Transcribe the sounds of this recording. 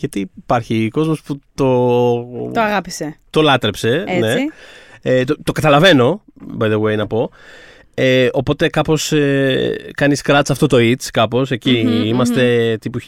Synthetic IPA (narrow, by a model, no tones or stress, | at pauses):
ʝɐt̪iːpɐɾçiko̞zmo̞sput̪o̞ | t̪oɐɣɐpiset̪o̞lɐt̪ɾe̞pse̞ne | et̪ot̪o̞kɐt̪ɐlɐve̞no̞bɐðewejnɐpo̞ | eopo̞t̪e̞kɐpo̞sekɐniskɾɐt̪sɐft̪o̞t̪o̞it̪t͡skɐpo̞se̞ciimɐst̪e̞t̪ipu